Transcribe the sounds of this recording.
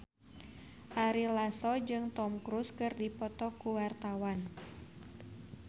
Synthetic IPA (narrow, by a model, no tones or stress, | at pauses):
ʔaɾilasɔd͡ʒɨŋt̪ɔmkɾuskɨrdipɔt̪ɔkuwart̪awan